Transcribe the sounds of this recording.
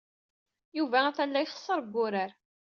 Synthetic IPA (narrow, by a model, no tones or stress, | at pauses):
juvææθælːæjχə̥sˤːəɾˤəɡʷːʊɾaɾ